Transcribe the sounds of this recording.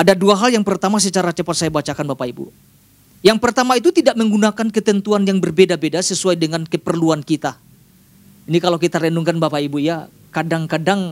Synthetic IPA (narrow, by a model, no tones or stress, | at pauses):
adaduaɦaljaŋpərt̪amas̬ət͡ʃaɾat͡ʃəpɔt̪̚sajabat͡ʃakanbapaibṵ | jaŋpərt̪amait̪ut̪idaʔməŋɡunakankət̪ənt̪uanjaŋbərbedabedasəsuajdəŋankəpərluankit̪a | inikalawkit̪aɾenuŋkanbapaibuja | kadaŋkadaŋ